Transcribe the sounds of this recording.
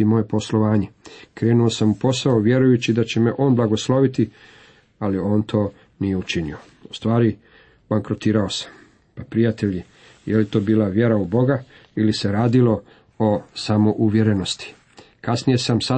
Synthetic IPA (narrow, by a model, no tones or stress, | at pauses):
imo̞ːje̞po̞slo̞ʋaːɲekɾe̞ːnuo̞samupo̞saoʋje̞ɾujut͡ɕid̪at͡ɕeme̞ʔo̞ːnblˠaɡo̞slˠo̞ʋit̪i | alio̞ːnt̪ʰo̞ː | nije̞ut͡ʃinḭo̞ | ust̪ʋaːɾi | baŋkɾot̪iːɾao̞sḁm | papɾijat̪e̞ʎi | jelit̪o̞ːbiːlaʋje̞ɾaubo̞ɡa | ilise̞ɾaːd̪ilo̞ | osamo̞ʔuʋje̞ɾe̞no̞st̪i̥ | kasnije̞samsa